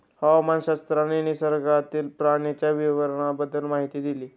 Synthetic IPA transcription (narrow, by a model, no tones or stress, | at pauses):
hawamanɕast̪ɾaneñisəɾɡat̪iːlpɾaɽ̃et͡ɕjaʋiʋəɾəɳabəd̪əlmaɦit̪iːd̪iliː